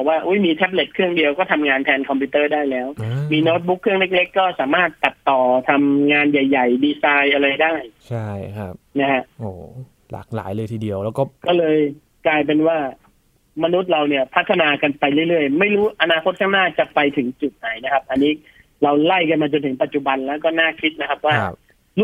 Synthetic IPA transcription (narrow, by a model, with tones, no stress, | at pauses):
bɔː˨˩k̚waː˥˩ʔu˦˥jmiː˧t̪ʰɛ˦˥p̬̚le˨˩t̪̚kʰɯ˥˩əŋdi˧əwkɔː˥˩t̪ʰa˧mŋaː˧nt̪ʰɛː˧nkʰɔ˧mpʰu˧˦˥t̪ɤː˥˩daː˥˩jlɛː˦˥wmiː˧noː˦˥t̪̚bu˦˥kʰːɯ˥˩əŋle˦˥k̚le˦˥kːɔː˥˩saː˩˦maː˥˩t̪ːa˨˩t̚t̪ːɔː˨˩t̪ʰa˧mŋaː˧nja˨˩jːa˨˩jdiː˧saː˧jʔa˧ɾa˧jdaː˥˩jt͡ɕʰa˥˩jkʰa˦˥p̚na˦˥kʰa˦˥ʔʔoː˨˩ | la̰ː˨˩k̚la̰ː˩˦jlɤː˧jt̪ʰiː˧˩di˧əwlɛː˦˥wkɔː˥˩kɔː˥˩lɤː˧j | klaː˧jp̬e˧nwaː˥˩ | ma˧nu˦˥t̪̚ɾa˧wni˥˩ɐpʰa˦˥t̪ʰːa˧naː˧ka˧npa˧jlɯ˥˩jɾɯ˥˩əjma˥˩jɾuː˦˥ʔa˧naː˧kʰo˦˥t̪̚kʰaː˥˩ŋnaː˥˩t͡ɕa˨˩pa˧jt̪ʰɯ˩˦ŋt͡ɕu˨˩t̪̚na˨˧˩jna˦˥kʰa˦˥p̚ʔa˧nːiː˦˥ | ɾa˧wla˥˩jka˧nmaː˧t͡ɕo˧nt̪ʰɯ˩˦ŋpa˨˩t̪̚t͡ɕu˨˩ba˧nlɛː˦˥wkɔː˥˩naː˥˩kʰi˦˥t̪̚na˦kʰa˦˥p̚waː˥˩ | lu˦˥